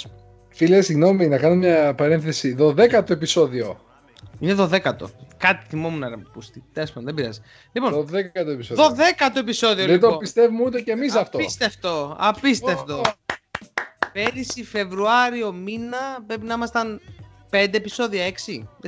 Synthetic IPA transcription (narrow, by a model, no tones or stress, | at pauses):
filesiɣno̞minɐkɐnomɲɐpɐɾenθe̞siðo̞ðe̞kɐt̪oe̞piso̞ðio̞ | ineðo̞ðe̞kɐt̪o̞̰kɐt̪i̥θimomunɐɾɐpust̪it̪eɐspumɐnðebiɾɐ̰zi̥ | lipo̞noðekɐt̪oepisoðoðe̞kɐt̪oepiso̞ðiolet̪opist̪evumut̪̬ecemis̬ɐft̪oist̪eft̪oɐpist̪eft̪o | peɾisife̞vɾuɐɾio̞minɐpɾe̞pinɐimɐst̪ɐn | pe̞nd̪eːpiso̞ðiɐe̞ksi